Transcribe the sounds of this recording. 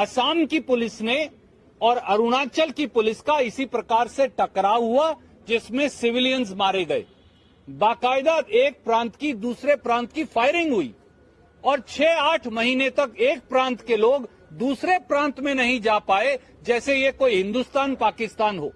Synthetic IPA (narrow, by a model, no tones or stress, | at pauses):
ɐsaːmkipʊlɪsne | ɔːɾɐɾʊnaːt͡ʃəlkipʊlɪskaɪsipɾɐkaːɾseʈɐkɾaːʋɦua | d͡ʒɪsmẽsɪʋɪlijənzmaːɾeɡɐḛː | baːkaːɪd̪aeːk̚pɾãːnt̪kid̪uːsɾepɾãːnt̪kifaːɪɾɪ̃ŋɡɦʊḭː | ɔːɾt͡ʃʰɛːaːʈʰmɐɦiːnet̪ɐkeːk̚pɾãːnt̪keloːɡ | d̪uːsɾepɾãːnt̪mẽnɐɦĩd͡ʒaːpaːe | d͡ʒɛːsejekoːiɦɪ̃nd̪ʊst̪aːnpaːkɪst̪aːnɦoː